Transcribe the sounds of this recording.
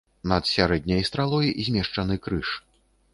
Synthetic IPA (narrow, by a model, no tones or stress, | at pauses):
nɐt̪sʲaɾɛd̪ʲnʲɐjst̪ɾalˠɔjzʲmʲɛʂt͡ʂɐnɨkɾɨʂ